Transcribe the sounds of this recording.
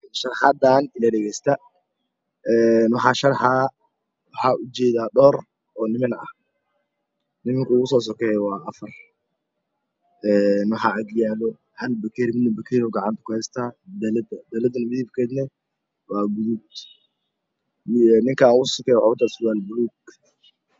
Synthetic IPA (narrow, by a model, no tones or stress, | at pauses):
ʃɐrħad̪aːnɪlɐɖɛɣɛjst̪ʰɐ | ɛːnwɑħɑːʃɐrħa | wɑħɑːʔʊt͡ʃɛːðaːɗɔːr | ɔːnɪmɪnɐ̰h | nɪmɪŋkʰɐuːɣʊsɔːs̬ɔkʰɛjwɑːʔɐfɐr | ʔɛːnwɑħɑʔɐɡjaːβɔ | hɐlbɐkʰɛɾmɪd̪nɐbɐkʰɛɾɔɡɑʕɑnt̪ʰɐ̥kʊhɛst̪ʰaːd̪ɐlɐd̪ɐd̪ɐlɐd̪ɐnɪmɪðiːbkʰɛːd̪nɛ | wɑːɡuud̪ | nɪŋkʰaauɣʊssɔkʰɛːjwʊt̪ʰaːswaːlbʊluːɡ